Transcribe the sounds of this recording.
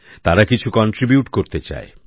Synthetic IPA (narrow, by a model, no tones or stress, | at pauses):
t̪aɾakit͡ɕʰukɔnʈɾibjuʈkoɾt̪et͡ɕa̰e